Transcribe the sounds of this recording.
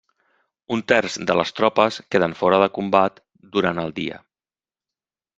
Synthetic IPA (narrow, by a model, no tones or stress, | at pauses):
unt̪ɛrzd̪ələst̪ɾɔpəskeðəɱfɔɾəðəkumbat̪ | d̪uɾanəlˠd̪iə̰